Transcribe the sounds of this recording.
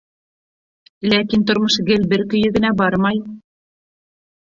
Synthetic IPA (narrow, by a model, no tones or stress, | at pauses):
lækint̪ŏɾmɤʃɡɘlbɘɾkɵ̆jɵ̆ɡɘ̆næbɑɾmɑj